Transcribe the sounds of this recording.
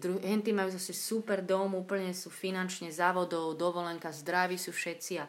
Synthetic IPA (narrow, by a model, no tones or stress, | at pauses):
d̪ɾuɦɛnt̪imajuːzasɛsupɛɾd̪ɔmuːpl̩ɲɛsuːfinant͡ʃɲɛzaːʋɔd̪ɔʊd̪ɔʋɔlɛŋkazd̪ɾaʋisufʃɛt̪t͡sia